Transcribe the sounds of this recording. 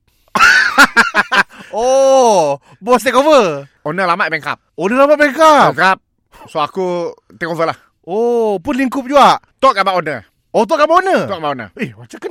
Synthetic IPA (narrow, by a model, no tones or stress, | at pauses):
o | bɔst̪ɛkovə | onəlamaʔbɛŋka̰p̚onəlamaʔ̪̚bɛŋkabɛŋkap̚ | soaku | t̪ɛkovəlah | opʊnliŋkʊp̚d͡ʒuaʔt̪ɔʔkabaʔonə | ot̪̬ɔʔkabaonəɔʔkabaʔonə̰iwat͡ʃakən